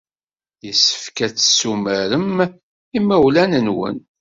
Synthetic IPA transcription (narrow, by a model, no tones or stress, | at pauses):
jəsːə̥fkæt͡sːsuməɾəm | imæwlænənwə̰n